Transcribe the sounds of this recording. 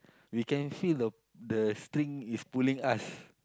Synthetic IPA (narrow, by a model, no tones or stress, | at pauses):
wikɛ̃nfildə | dəstɾĩŋispulĩŋas